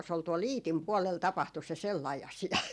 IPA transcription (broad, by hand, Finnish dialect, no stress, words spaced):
s ol tuol iːtim puɔlel tɑpɑhtu se selːɑi ɑsiɑ